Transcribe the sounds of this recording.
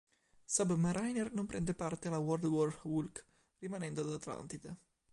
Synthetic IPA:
sabmaɾajnernompɾʔɛnd̪epart̪ealawɔrd̪wɔrwulk | rimanɛnd̪oad̪at̪la̰nt̪it̪e

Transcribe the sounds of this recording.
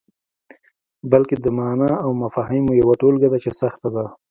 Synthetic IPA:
balked̪əmɑnaawmafɑhimojawaʈolɡad̪at͡ʃesaxt̪ad̪a

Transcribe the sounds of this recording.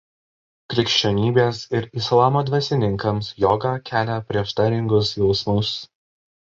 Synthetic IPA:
kɾʲɪkʃʲt͡ʃʲɛnʲiːbʲeːsɪɾɪslˠɑːmoːd̪ʲʋʲɛsʲɪnʲɪŋˑkɐmsjɔːɡɑːkʲæːlʲɛpʲɾʲiɛʃt̪ɑɾʲɪŋɡʊsjɔʊsmʊs

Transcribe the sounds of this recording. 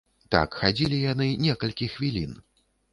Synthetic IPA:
t̪a̰kxad͡zʲilʲijanɨnʲɛkɐlʲkʲixvʲilʲḭn

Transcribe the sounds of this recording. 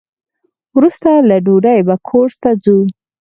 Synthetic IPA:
wɾust̪alaɖuɖajbakʰoɾst̪ad͡zu

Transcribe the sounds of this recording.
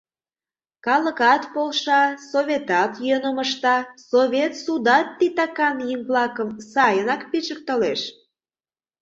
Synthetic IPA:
kɑlə̆kɑt̪polʃɑsovʲet̪ɑt̪jønəməʃt̪ɑsoβʲet̪sud̪ɑt̪ːit̪ɑkɑnjimvlɑkəmsɑjənɑkpit͡ɕək̚t̪əleʃ

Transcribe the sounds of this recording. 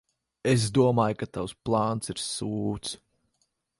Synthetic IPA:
es̬d̪uɔmaːjkat̪awsplˠaːnt̪siɾsuːt̪s

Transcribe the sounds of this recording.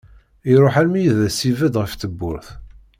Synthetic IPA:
iɾˤoħælmijəðæsivəd̪ʁəfθəbːʊɾθ

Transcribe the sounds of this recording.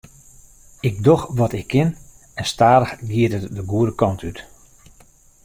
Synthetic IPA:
ɪk̚doxʋɔtɪkʰːɪn | ɛnstaːɾəxɡiətətdəɡuəɾəkɔntʰyt

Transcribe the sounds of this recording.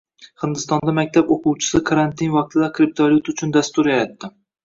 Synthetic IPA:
hɪnd̪ɪst̪ɒnd̪amak̚ʲt̪ʰaboquwt͡ʃʰɪ̥sɪkʰaɾant̪ʰɪnvɑq̚t̪ʰɪd̪akʲʰɾɪp̚t̪ʰaljut̪ʊt͡ʃʰʊnd̪ast̪ʊɾjaɾat̪ːɪ

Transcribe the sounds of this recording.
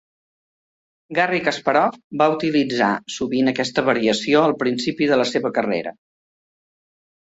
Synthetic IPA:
ɡarikəspəɾɔfbaut̪ilid͡za̰suβinəkɛst̪əβəɾiəsioəlˠpɾinsipiðələseβəkərḛɾə̰

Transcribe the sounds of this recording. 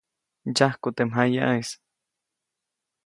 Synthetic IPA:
d͡ʒahkut̪emɦajaʔis

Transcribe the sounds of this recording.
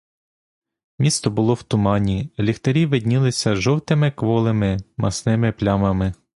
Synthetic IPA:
mʲist̪ɔbʊlˠɔwt̪ʊmɑnʲilʲixt̪ɐɾʲiʋɪd̪ʲnʲilˠɪsʲɐʒɔwt̪ɪmɪkʋɔlˠemɪmɐsnɪmɪplʲɑmɐmɪ

